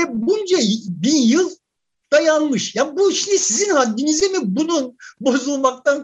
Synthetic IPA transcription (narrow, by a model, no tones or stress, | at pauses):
ɛbund͡ʒajbiɾjɯlˠ | d̪̥ajanmɯʃjanbuʃind̪isizinhad̪ːinizimibununbo̞zulˠmak̚t̪an